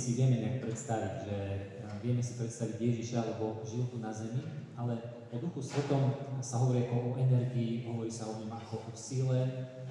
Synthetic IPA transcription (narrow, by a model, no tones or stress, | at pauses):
siʋɪɛmɛɲak̚pɾɛt̪st̪aʋiɟʒɛ | ʋɪɛmɛsipɾɛt̪st̪aʋiɟjɛʒiʃalɛbɔʒilt̪unazɛmialɛ | ɔd̪uxusʋɛt̪ɔmsaɦɔʋɔɾiakɔʔɔʔɛnɛɾɡiːɦɔʋɔɾiːsaɔɲɔmakɔʔɔsilɛ